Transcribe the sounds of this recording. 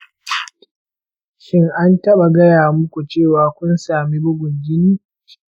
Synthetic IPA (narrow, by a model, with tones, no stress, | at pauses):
ʃɪ˦ŋʔa˦ntɐ˦ɓa˨ɡɐ˦jaː˨mʊ˦kʷu˨t͡ʃeː˦˨waː˨kʷʊ˦nsaː˨mi˦bʊ˦ɡʷʊ˨ŋɡʲɪ˦niː˦